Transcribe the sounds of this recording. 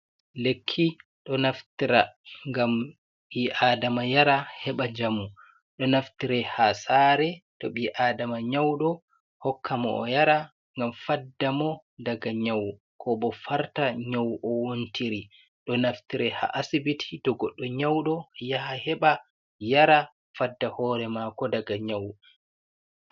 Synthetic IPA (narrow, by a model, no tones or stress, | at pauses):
lekʰːi | ɗɔnaftiɾaŋɡam | ɓiʔaːdamajaɾahɛɓad͡ʒamu | ɗɔnaftiɾɛhasaːɾɛtɔ̰ɓiʔaːdamaɲawɗɔ | hɔkʰːamɔ̰ʔɔ̰jaɾa | ŋɡamfadːamɔdaɡaɲawu | kʰɔɓɔfaɾtaɲawʔɔwontiɾi | ɗɔnaftiɾɛha̰ʔasibitʰi̥tɔɡɔɗːɔɲawɗɔjahahɛɓa | jaɾa | fadːahɔːɾɛmakɔdaɡaɲawu